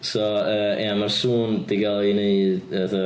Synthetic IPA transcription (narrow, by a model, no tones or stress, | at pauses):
sɔəːɛmarsuːnd̥iɡalˠineɨðəðə